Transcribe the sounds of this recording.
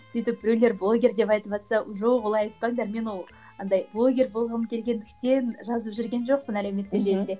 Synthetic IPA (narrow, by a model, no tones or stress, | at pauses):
sijt̪ɪp̚bɪɾɵlʲe̞ɾblˠo̞ɡʲe̞rd̪e̞pɑjt̪əpʒɑt̪sɑʒo̞qwolˠɑjɑjt̪̚pɑŋd̪ɑɾme̞nwolˠ | ɑnd̪ɑjblˠo̞ɡʲe̞rbo̞lˠʁənəmkʲʰe̞lɡʲe̞nd̪ɪkt̪e̞nʒɑzəpʒʏɾɡʲe̞nʒo̞q̚pənæleme̞t̪ːeʒennd̪e̞